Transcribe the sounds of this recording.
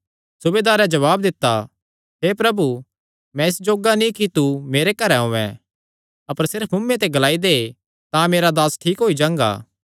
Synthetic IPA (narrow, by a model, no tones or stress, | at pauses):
sʊbeːd̪aːɾɛd͡ʒɐβaːb̚d̪ɪt̪ːa | ɦeːpɾɐbu | mɛ̃ɪs̬d͡ʒoːɡanĩkit̪umeːɾekɐɾɛɦõːʋɛ̰̃ | ɐpəɾsɪɾəpmʊmːẽt̪eɡɐlaːid̪e | t̪ãmeːɾad̪aːsʈʰiːkɦoːid͡ʒãːŋɡa̰ː